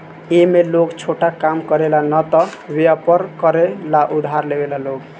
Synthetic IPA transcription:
emelokt͡ʃʰoʈakamkəɾelanʌt̪ɔbeapəɾkəɾelaʔud̪ʱaɾlebelaloɡ

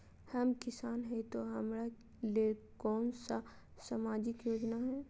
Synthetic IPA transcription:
hɐmkɪsaːnɦɛt̪oɦɐmɾa | leː | kɔːnsa | samaːd͡ʒɪkjoːd͡ʒnaɦɛː

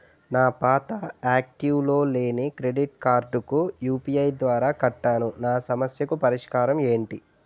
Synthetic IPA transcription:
naːpaːt̪ɐaːk̚ʈiʋlo̞ːle̞ːnikɾe̞ɖiʈkaːɾɖukujuːpiɐjd̪ʋaːɾaːkɐʈːaːnunaːsɐmɐsjɐkupɐɾiʂkaːɾɐme̞ːɳʈi

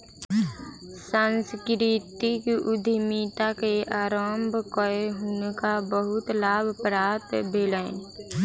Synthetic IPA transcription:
sãːnskɾit̪ɪkʊd̪ʱimiːt̪akeaːɾəmbʱkəeɦʊnkabəɦʊt̪laːbʱpɾaːt̪bʱeːlən

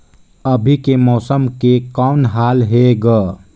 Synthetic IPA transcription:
əbʱikemɔːsəmkekaʊnɦalɦeɡə

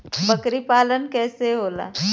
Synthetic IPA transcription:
bəkɾipaːlənkɛːseɦoːla̰ː

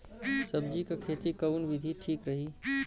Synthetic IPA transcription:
səb̚d͡ʒikekʰet̪ikəʊnbid̪ʱiʈʰiːkɾəɦi

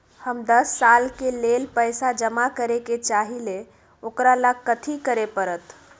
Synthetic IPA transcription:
həmd̪əsːalkelelpəjsad͡ʒəmakəɾeket͡ʃaɦile | okɾalakət̪ʰikəɾepəɾət̪

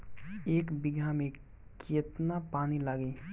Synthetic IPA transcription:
eːkbiɡʱamẽ | kʰet̪napaːnilaːɡe

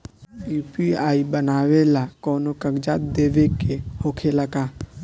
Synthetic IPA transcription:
biːpiaːibənaːʋelakɔːnokəɡd͡ʒaːt̪̚d̪eːʋekehoːkʰelakaː

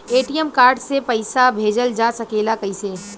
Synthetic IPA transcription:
eːʈijəmkaːɾɖsepɐɪsabʱeːd͡ʒəld͡ʒasɐkeːlakɐiseː

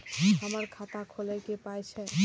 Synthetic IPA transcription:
ɦəməɾkʰat̪akʰolekepajt͡ʃʰɛ

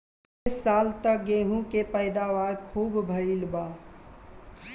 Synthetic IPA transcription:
alt̪ək̚ɡeɦũkepəɪd̪aʋaːɾkʰuːbbʱəilba

